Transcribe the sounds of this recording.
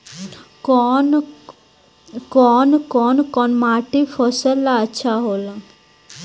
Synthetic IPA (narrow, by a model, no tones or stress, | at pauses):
kɔn | kɔːnkɔːnkɔnmaʈifʰɔsəlːaəʃʰaɦola